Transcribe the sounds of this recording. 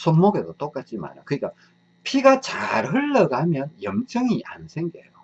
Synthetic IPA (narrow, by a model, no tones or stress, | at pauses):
sʰonmoɡedot͈ok͈at͡ɕʰima̰ɾo̰kɯɲik͈a | pʰiɡat͡ɕaɾɦɯɭːʌɡamjʌnjʌmt͡ɕ͈ʰʌŋiʔa̰nsʰeŋɡḛjo